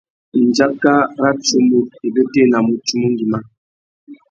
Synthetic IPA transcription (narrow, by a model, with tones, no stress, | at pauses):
n̩˨d͡ʒa˦ka˦ɾa˦t͡ʃu˨˦mo˨e˨bə˦te˦˨na˨mo˨tu˦mu˦ŋ˦ɡi˨ma˦